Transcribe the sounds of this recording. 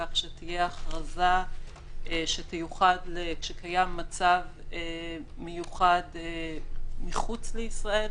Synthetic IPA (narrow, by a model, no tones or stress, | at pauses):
aχʃetije̞aχʁaza | ʃetejuχadlekʃekʰajamːat͡savemejuχad̪ | miχut͡sleisʁae̞l